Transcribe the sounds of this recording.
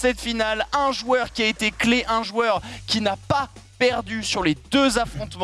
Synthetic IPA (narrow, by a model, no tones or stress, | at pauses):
sɛt̪finalɛ̃ʒwœʁkʲiaet̪ekleʔɛ̃ʒwœʁkʲinapa | pɛʁd̪ysyʁled̪øzafχɔ̃t̪m̃